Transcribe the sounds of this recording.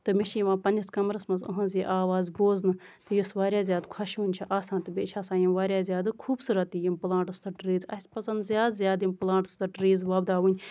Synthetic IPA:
t̪ɨmiʃiʋãːpɐnʲd͡ʒɐskɐmɾɐsmɐnzɐ̰ɦɐ̃nziʔaːʋaːzboːznɨt̪ɨjusʋaːɾʲjaːzjaːd̪kʰɐʃuːnʲt͡ʃʰɐʔaːsãːnt̪ɨbeːt͡ʃʰaːsaːjimʋaːɾjaːzjaːd̪ɨkʰuːbsuːɾɐt̪ijimplãːɳʈɨst̪ɐʈɾiːzɐ̰sʲpɐsɐnd̪zʲjaːd̪zʲjaːd̪implãːɳʈɨst̪ɐʈɾiːzʋɐːbd̪aːʋunʲ

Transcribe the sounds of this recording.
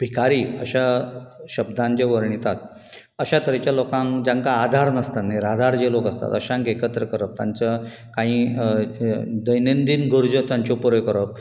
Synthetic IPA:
bʱikaɾiːəɕaɕəb̚d̪ãnd͡ʑeʋəɾɳit̪at̪ | əɕat̪əɾet͡ɕjalokãŋd͡ʑãŋkaːd̪ʱaɾnəst̪anːeɾad̪ʱaɾd͡ʑelokəst̪a̰t̪əɕãŋkekət̪ɾəkəɾəp̚t̪aɲt͡ɕa | kãɦĩː | d̪əjnend̪inɡʱoɾd͡ʑət̪jaɲt͡ɕopɔɾjkəɾəp̚

